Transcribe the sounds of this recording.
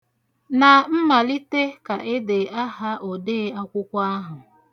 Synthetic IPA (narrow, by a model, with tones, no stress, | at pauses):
na˨m̩˦ma˨li˦te˦ka˨ʔe˦de˨a˦ɦa˦ʔo˨deː˦a˦kʷʊ˦kʷa˦a˦ɦʊ˨